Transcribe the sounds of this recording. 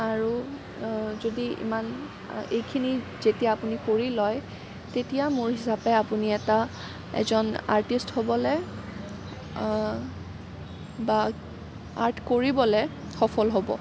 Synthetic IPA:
aɹu | zodiḭman | ejkʰinizetijaːpunikoɹilɔj | tetijamʊɹɦisapɛapuniɛta | ɛ̰zɔna̰ɹtisthobɔlɛ | ba | a̰ɹtʰkoɹibɔlɛ | xɔpʰɔlɦobɔ̰

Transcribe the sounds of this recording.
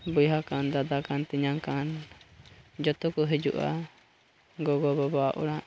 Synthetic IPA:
bujɦakand̪ad̪akant̪iɲaŋkan | d͡ʒɔt̪ɔkɔɦɛd͡ʒṵʔa̰ | ɡɔɡɔbɔbɔaʔɔ̰ɽaʔ

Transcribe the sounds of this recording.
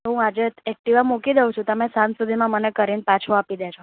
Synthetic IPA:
ɦũad͡ʒeɛk̚ʈiʋamukid̪eũt͡ʃʰũt̪əmẽsãnsud̪ʱimãmənekəɾinpat͡ʃʰoapid̪et͡ʃʰo

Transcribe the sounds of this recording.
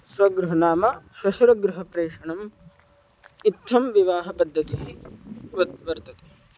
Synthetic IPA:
sʋɐɡɾuɦɐnaːmɐʃɐʃuɾɐɡɾuɦɐpɾeːʂɐɳɐm | it̪ʰːɐmʋiʋaːɦɐpɐd̪ʱːɐt̪iɦ | ɐʋɐɾt̪ɐt̪e

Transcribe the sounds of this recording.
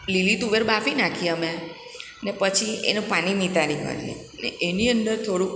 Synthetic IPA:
lilit̪uʋeɾbafinakʰiəme | nepət͡ʃʰiḛnũpañimit̪aɾikə̰ɾjḛ | nḛeniənd̪əɾt̪ʰoɽũ

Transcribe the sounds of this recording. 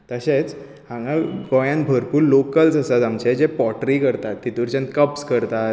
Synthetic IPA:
t̪əɕet͡s | hãŋɡaɡɔjãnbʱəɾpuːɾlokəlsəsat̪amt͡ɕed͡ʑepɔʈɾikəɾt̪at̪ːit̪uɾt͡ɕãnt̪̚kəpskəɾt̪at̪̚

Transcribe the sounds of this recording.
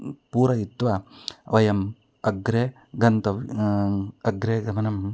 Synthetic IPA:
puːɾɐjit̪ːʋɐʋɐjɐm | ɐɡɾe | ɡɐnt̪ɐ | ɐɡɾeːɡɐmɐnɐm

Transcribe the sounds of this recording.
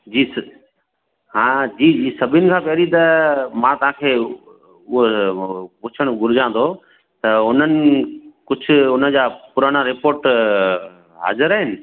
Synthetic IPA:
d͡ʑiːs | ɦãːd͡ʑiːiːsɐbʱɪnɪ̆kʰãːpɐɾit̪ɐmãt̪ɐʋ̤ãkʰeː | ʊɦo | pʊt͡ɕʰəɽ̃ɡʊɾɪd͡ʑãːn̆d̪o | t̪ɐʊn̤ənɪ̆kʊd͡ʑʱʰʊ̆ʊnəd͡ʑaːpʊɾaɽ̃aɾɪpoːɾʈ | ɦa̰ːzɪɾaːɦɪnɪ̆

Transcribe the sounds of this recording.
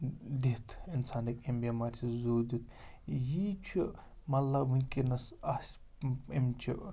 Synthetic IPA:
d̪it̪ʰinsaːndikimbiːmaːɾʲt̪ʰizoːd̪it̪ | jit͡ʃʰi | mɐlːaʋunkinɐsɐsʲ | imt͡ʃʰi

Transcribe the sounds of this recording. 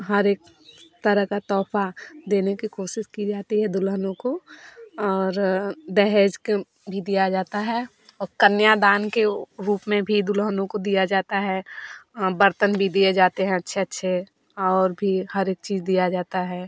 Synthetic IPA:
ɦɐɾeːk̚ | t̪əɾəɦkat̪ɔːfad̪eːnekikoːʃɪskid͡ʒaːt̪iɦɛd̪ʊlɦənõko | ɔːɾd̪ɛɦed͡ʒk | bʱid̪ijad͡ʒaːt̪aɦɛ | ɔːɾkənjad̪aːnkeɾuːpmẽbʱid̪ʊlɦənõkod̪ijad͡ʒaːt̪aɦɛ | bəɾt̪ənbʱid̪ijed͡ʒaːt̪eɦɛ̃ɐtːʃʰeɐtːʃʰe | ɔɔːɾbʱihɐɾeːk̚t͡ʃiːzd̪ijad͡ʒaːt̪aɦɛː

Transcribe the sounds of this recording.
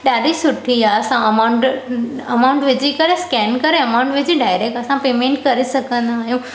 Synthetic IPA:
ɗaːɖisʊʈʰijaɐsãɐmaʊ̃ɳʈɐmaʊ̃ɳʈʋɪd͡ʑʱikɐɾeskɛːnkɐɾeɐmaʊ̃ɳʈʋɪd͡ʑiɖaːɪɾek̚ʈɐsãpeːmẽɳʈkɐɾisɐkʰə̃nd̪aɦjũ

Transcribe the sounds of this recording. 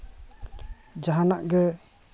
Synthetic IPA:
d͡ʒaɦanaʔɡɛ

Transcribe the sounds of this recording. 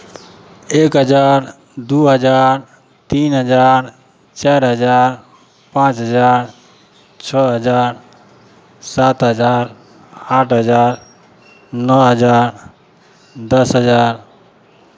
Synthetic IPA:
ekɦəd͡ʒaɾ | d̪uɦəd͡ʒaɾ | t̪inɦəd͡ʒaɾ | t͡ʃaɾɦəd͡ʒaɾ | pãt͡ʃɦəd͡ʒaɾ | t͡ʃʰɔɦəd͡ʒaɾ | sat̪ɦəd͡ʒaɾ | aʈʰɦəd͡ʒaɾ | nɔɦəd͡ʒaɾ | d̪əsɦəd͡ʒaɾ

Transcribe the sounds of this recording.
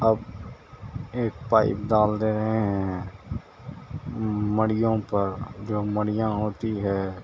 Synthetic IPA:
əb | eːk̚paːɪ̰pd̪aːld̪eːɾəɦeɦɛ̃ɛ̃ | məɽɪjõːpəɾd͡ʒoːməɽɪjãːɦoːt̪iɦɛː

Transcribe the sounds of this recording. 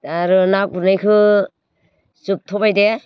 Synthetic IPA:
taɾɯnak̚buɾnajkʰɯ | sup̚tʰɔbajde

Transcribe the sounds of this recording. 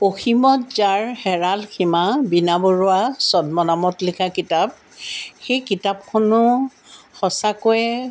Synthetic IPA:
poximɔtzaɹhɛɹalkʰimabinaboɹʊasɔd̚mɔnamɔtlikʰakitap̚ | xejkitap̚kʰonʊ | xɔsakojɛ

